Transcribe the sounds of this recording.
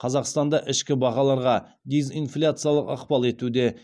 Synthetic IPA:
qʰɑzɑqst̪ɑnd̪ɑʔɪʃkʲɪbɑʁɑlˠɑɾʁɑ | d̪ezinflʲat̪sɨjalˠəqɑ̰qpɑlˠe̞t̪ud̪e̞

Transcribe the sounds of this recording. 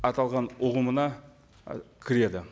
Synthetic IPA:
ɑt̪ɑlˠʁɑnʊʁəmənɑ | kʲʰɪɾe̞d̪ɪ

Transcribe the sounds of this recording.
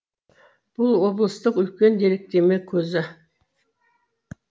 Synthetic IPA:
b̥ʊlˠwo̞blˠəst̪əqʏlkʲe̞nd̪e̞ɾek̚t̪e̞mekʲʰɵzɪ

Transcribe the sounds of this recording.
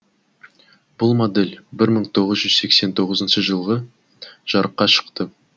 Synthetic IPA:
b̥ʊlˠmod̪e̞lʲbɪɾməɴt̪ʰo̞ʁəzʒʏzse̞kse̞nt̪ʰo̞ʁəzənʃəʒəlˠʁə | ʒ̥ɑɾəqːɑʃə̥qt̪ə

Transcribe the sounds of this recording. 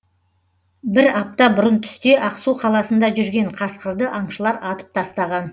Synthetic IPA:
bɪɾɑp̚t̪ɑbʊɾənt̪ʰʏ̥st̪e̞ʔɑqsuqʰɑlˠɑsənd̪ɑʒʏɾɡʲe̞ɴqʰɑsqəɾd̪əʔɑɴʃəlˠɑɾɑt̪ə̥p̚t̪ʰɑst̪ɑʁɑn

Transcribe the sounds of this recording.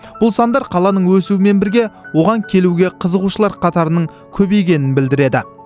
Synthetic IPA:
b̥ʊlˠsɑnd̪ɑɾqʰɑlˠɑnəɴwɵsuɪme̞nbɪɾɡʲe̞wo̞ʁɑŋkʲʰe̞luɡʲe̞qʰəzəʁuʃəlˠɑɾqʰɑt̪ɑɾənəɴ | kʲʰɵbe̞jkʲe̞nɪnbɪld̪ɪɾe̞d̪ɪ̰

